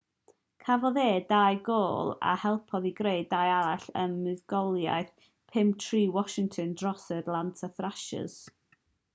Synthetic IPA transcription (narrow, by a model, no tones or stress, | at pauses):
kʰavɔðeːdajɡoːlˠa̰hɛlˠpʰɔðiɡɾejdajaɾaɬənmɨðɡɔlˠja̰ɨθ | pʰɪmtʰriːwɔʃɪŋtʰɔndrɔsədlˠantʰəθraʃə̰z̥